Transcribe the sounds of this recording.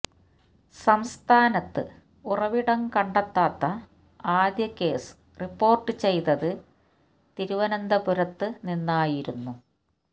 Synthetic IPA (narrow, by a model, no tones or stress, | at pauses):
sɐmst̪ʰaːnɐt̪ːɨ̰ | urɐʋiɽɐmkɐɳɖɐt̪ːaːt̪ːɐ | aːd̪jɐkːe̞ːsɨ̥ | ripːo̞ːrʈːɨt͡ɕe̞jt̪ɐðɨ | t̪iɾuʋɐnɐnd̪ɐpuɾɐt̪ːɨninːaːjiɾunːu